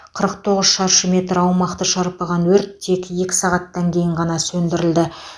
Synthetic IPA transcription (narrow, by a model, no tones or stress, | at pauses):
qʰəɾəq̚t̪ʰo̞ʁəzʃɑɾʃəme̞t̪ɾɑwmɑqt̪əʃɑɾpɑʁɑnwɵɾt̪ʰːe̞kʲe̞kʲɪ̥sɑʁɑt̪ːɑŋkʲʰe̞jɪɴʁɑnɑsɵnd̪ɪɾɪld̪ɪ